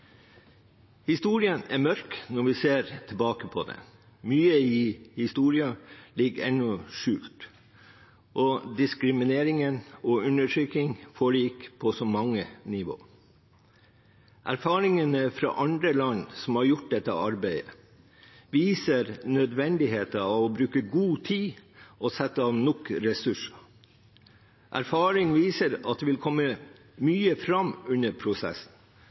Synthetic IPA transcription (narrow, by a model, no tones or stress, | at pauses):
hɪst̪uːɾɪənæɾmœɾknɔɾʋɪseːɾt̪ʰɪlbɑːkəpʰɔd̪ɛ̰ | myːəɪhɪst̪uːɾɪɑlɪɡɛ̰nːɔʂʉːlt̪ | ʔɔd̪ɪskɾɪmɪneːɾɪŋənɔʉnəʈʰɾyːkɪŋfoɭiːkə̥pʰɔsɔmɑŋːənɪʋo̰ː | ʔæ̰ɾfɑːɾɪŋənəfɾɑ̰ʔɑnd̪ɾəlɑnsɔm̩hɑɾjʊʈ̚d̪ɛt̪ːə̰ʔɑɾbæɪə̰ | ʋiːsəɾnœd̪ʋɛnd̪ɪɦeːt̪əɑʋɔbɾʉːkəɡuːt̪ʰiːɔsɛt̪ːəɑʋnʊkɾɛsʉʂɑ̥ | ʔæ̰ɾfɑːɾɪŋʋiːsəɾɑt̪̚d̪eːʋɪlkʰɔmːə | myːəfɾɑmʉnːəɾpʰɾʊsɛ̰sn̩